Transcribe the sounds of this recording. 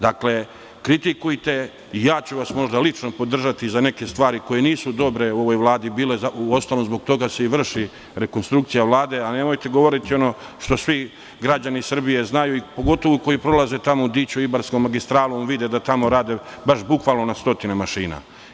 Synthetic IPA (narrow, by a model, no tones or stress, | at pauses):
d̪akle̞ | kɾit̪ikujt̪e̞ | ijaːt͡ɕuʋasmo̞ʒd̪alit͡ʃno̞po̞d̪r̩ʒat̪izane̞ke̞st̪ʋaːɾiko̞je̞niːsud̪o̞bɾe̞uo̞ʋo̞jʋlˠaːd̪ibiːle̞zauo̞st̪alomzbo̞ɡt̪o̞ɡase̞iʋr̩ʃi | ɾe̞konst̪ɾuk̚t̪sijaʋlˠaːd̪e̞ane̞mo̞jt̪e̞ɡo̞ʋo̞ɾit̪io̞no̞ | ʃt̪o̞sʋi | ɡɾad͡ʑanisr̩bije̞znajuipo̞ɡo̞t̪o̞ʋoko̞jipɾo̞lˠaze̞t̪amo̞ud̪iːt͡ɕuibaɾsko̞mːaɡist̪ɾaːlumʋid̪ed̪at̪amo̞ɾaːd̪e̞baʃbukʋalno̞nast̪o̞t̪inemaʃiːna̰